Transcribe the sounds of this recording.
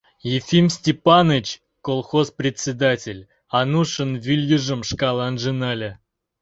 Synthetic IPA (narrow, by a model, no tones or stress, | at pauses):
jɪfʲimsʲtʲɪpanɨt͡ɕ | kolˠxospɾʲɪtʲsʲɪd̪atʲɪlʲ | anuʂənvʲilʲjəʐɨmʂkalˠanʐɨnalʲɪ